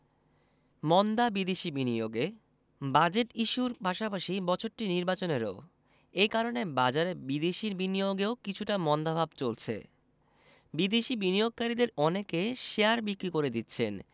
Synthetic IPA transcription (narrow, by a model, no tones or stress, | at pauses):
mɔnd̪abid̪eʃibinioɡe | bad͡ʑeʈiʃuɾpaʃapaʃibɔt͡ɕʰoɾʈiniɾbat͡ɕoneɾo̰ | ejkaɾonebad͡ʑaɾebid̪eʃiɾbinijoɡeokit͡ɕʰuʈamɔnd̪abʱabt͡ɕolt͡ɕʰḛ | bid̪eʃibinijoɡ̚kaɾid̪eɾɔnekeʃeaɾbikɾikoɾed̪it̪ːɕʰen